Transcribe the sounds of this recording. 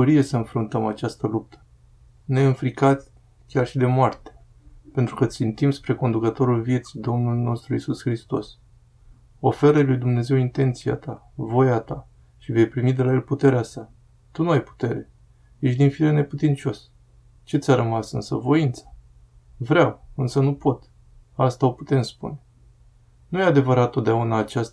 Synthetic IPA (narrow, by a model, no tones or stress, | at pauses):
oɾie̞səɨnfɾunt̪əmat͡ʃast̪əlup̚t̪ʰə̥ | ne̞ɨnfɾikat̪ʲ | kʲarʃid̪e̞moart̪e̥ | pe̞nt̪ɾukət̪sint̪imspɾe̞ko̞nd̪ukət̪o̞ɾulvje̞t̪si̥d̪o̞mnulno̞st̪ɾuisusxɾist̪o̞s | o̞fe̞ɾəlujd̪umne̞ze̞wint̪e̞nt̪sija̰t̪a | vo̞jat̪a | ʃive̞jpɾimid̪e̞laje̞lput̪e̞ɾeasa | t̪unuajpu̥t̪e̞ɾe̞ | jeʃd̪infilene̞put̪int͡ʃo̞s | t͡ʃe̞t̪sʲaɾəmasɨ̰nsə̰vo̞int̪sḁ | vɾawɨnsənupo̞t̪ | ast̪ao̞pu̥t̪e̞mspṵne | nujead̪e̞vəɾat̪ːo̞t̪̚d̪eaunaːt͡ʃast̪